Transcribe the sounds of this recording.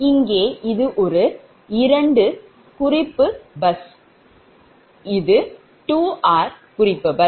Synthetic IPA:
ɪŋɡeːʔɪðɯʔɔɾɯ | ɪɾɐɳɖɯ | kʊrɪpːɯbɐs | ɪðɯ | ʈuːʔaːɾ | kʊrɪpːɐbɐ

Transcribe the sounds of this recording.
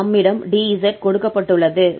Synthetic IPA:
ɐmːɪɽɐmɖiisɐʈ̚kɔɽɯkːɐpːɐʈːɯɭːɐðɯ

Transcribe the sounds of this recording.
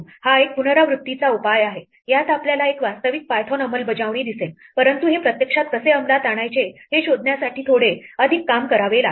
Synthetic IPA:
haek̚punəɾaʋɾut̪ːit͡saupajaɦe | jat̪apljalaekʋast̪əʋik̚pajt̪ʰonəməlbəd͡ʑaʋɳ̃iːd̪isel | pəɾənt̪uɦepɾət̪jəkʂat̪̚kəseəmlat̪aɽ̃ajt͡ɕeheɕod̪ʱnjasaʈʰiːt̪ʰoɽeəd̪ʱikːamkəɾaʋela

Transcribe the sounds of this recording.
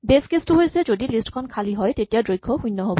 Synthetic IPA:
beskestuɦojsɛzodilistkʰɔnkʰaliɦɔjtetijadɹojɡʰʱɔhũjnːɔɦobɔ

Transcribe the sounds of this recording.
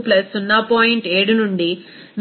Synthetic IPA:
plɐsunːɐpoːjiɳʈeːɽunuɳɖi | n

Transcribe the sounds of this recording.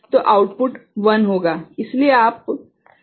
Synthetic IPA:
t̪oʔauʈpuʈʋənɦoɡaislieap̚

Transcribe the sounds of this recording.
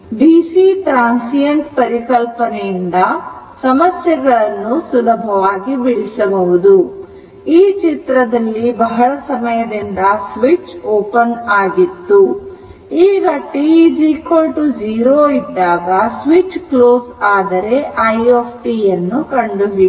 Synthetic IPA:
ɖiːsiʈɾaːnsijɐɳʈpɐɾikɐlpɐnɛjind̪ɐ | sɐmɐsjɐɡɐɭɐnːusulɐbʱɐʋaːɡibiɽisɐbɐʋud̪u | iːt͡ʃit̪ɾɐd̪ɐlːibɐɦɐɭɐsɐmɐjɐd̪ind̪ɐsʋit͡ʃoːpɐnaːɡit̪ːu | iːɡɐʈːid͡ʒiːkoːlʈud͡ʒiːɾoːid̪ːaːɡɐsʋit͡ʃkloːsaːd̪ɐɾe̞ʔɐjoːpʰʈijɐnːukɐɳɖuɦi

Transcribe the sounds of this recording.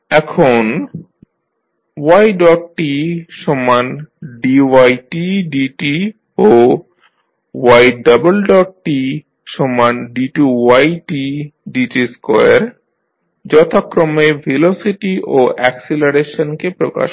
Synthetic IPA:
ɛkʰon | wajɖɔʈ̚ʈːiʃɔmːanɖiwajʈiɖiʈi | o | wajɖabolɖɔʈ̚ʈi | ʃɔmːanɖiʈuwajʈiɖiʈiskɔjaɾ | d͡ʑɔt̪ʰakːɾomevʱelosiʈiʔoʔɛkselaɾeʃonkepɾoka̰ʃ

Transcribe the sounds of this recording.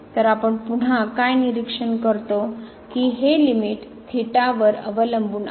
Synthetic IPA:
t̪əɾapəɳpuɳ̤akajniɾikʂəɳkəɾt̪o | kiɦelimiʈ | t̪ʰiʈaʋəɾə̰ʋələmbuːn

